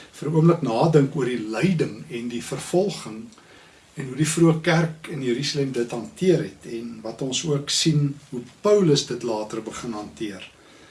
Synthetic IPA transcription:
fəruəmləknɑːdəŋkuərdiləjdəŋɛndifərfɔlˠχəŋ | ɛnɦudifruəkærkənjəɾysɑlɛmdətɦɐntiəɾɦɛtʰɛnvɐtɔnsuəksinɦupœwləsdətlɑːtərbəχənɦɐntiər

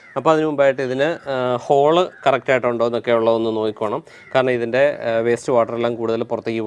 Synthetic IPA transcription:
ɐpːoːɐðinɨmumbaːjiʈːɨiðinɨho̞ːɭɨkɐrɐk̚taːjiʈːɨuɳɖoenːokːeuɭːɐðo̞nːɨno̞ːkikʲːuaːɳɐm | kaːɾɐɳɐmiðinde̞ʋe̞ːstɨʋaːʈːɐrelːaːmkuːɽuðɐlpurɐt̪ːikːi

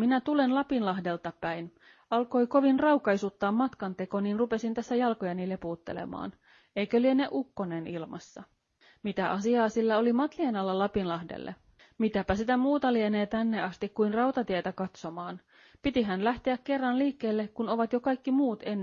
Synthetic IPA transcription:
minæt̪ule̞nlɑpinlɑɦde̞lt̪ɑpæjn | ɑlko̞jko̞ʋinrɑwkɑjsut̪ːɑːmːɑt̪kɑnt̪e̞ko̞ninrupe̞sint̪æsːæjɑlko̞jɑniːlːepuːt̪ːḛlḛmɑ̰ːn | e̞jkølieneʔukːo̞nenilmɑ̰sːɑ | mit̪æʔɑsiɑːsilːɑo̞limɑt̪lienɑlːɑlɑpinlɑhdḛlːʔḛ | mit̪æpæsit̪æmuːt̪ɑlieneːt̪ænːeɑst̪ikkːujnrɑwt̪ɑt̪iet̪ækɑt̪so̞mɑːn | pit̪iɦænlæht̪eække̞rːɑnliːkːeːlːekkuno̞ʋɑt̪jo̞kɑjkːimuːt̪e̞nː

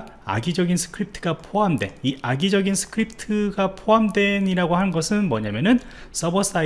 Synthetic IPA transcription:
a̰ɡid͡ʑʌɡinsʰɯ̥kʰɯɾip̚tʰɯɡapʰoɦamdwe̞̰iʔaɡid͡ʑʌɡinsʰɯ̥kʰɯɾip̚ʰtʰɯɡapʰoɦamdwe̞ɲiɾaɡohannɡʌsʰɯnmʌɲamjʌnɯn | s͈ʌbʌs͈a

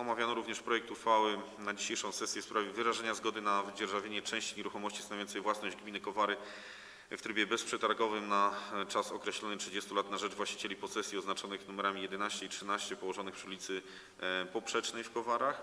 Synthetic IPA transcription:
ɔmavʲjanɔɾuvɲɛʂpɾɔjɛk̚t̪uxfawɘnad͡ʑiɕejʂɔ̃w̃sɛsʲjɛfspɾavʲjɛvɘɾaʐɛɲazɡɔd̪ɘnavd͡ʑɛɾʐavʲjeɲɛt͡ʂɛ̃w̃ɕt͡ɕiɲɛɾuxɔmɔɕt͡ɕisavjɔnsɛjvwasnɔʑd͡ʑɡmʲinɘkɔvaɾɘ | ft̪ɾɘbʲjɛbɛspʂɛt̪aɾɡɔvɘmnat͡ʂasɔkɾɛɕlɔnɘtʂɘd͡ʑɛst̪ulat̪naʐɛd͡ʐvwaɕt͡ɕi̥t͡ɕelʲipɔsɛsʲjiɔznat͡ʂɔnɘxnumɛɾamʲijɛd̪ɛnaɕt͡ɕɛitʂɘnaɕt͡ɕɛpɔwɔʐɔnɘxpʂulʲit̪sɘ | pɔpʂɛt͡ʂnɛjfkɔvaɾax

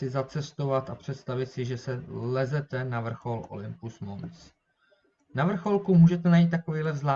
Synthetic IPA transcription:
sɪzat͡sɛst̪ovat̪apr̝̥ɛt̪st̪avɪt̪sɪʒɛsɛlɛzɛt̪ɛnavr̩xo̞lʔo̞̰lɪmpusmont͡s | navr̩xo̞lkumuːʒɛt̪̬ɛnajiːt̪̚ːako̞viːlɛzlaː

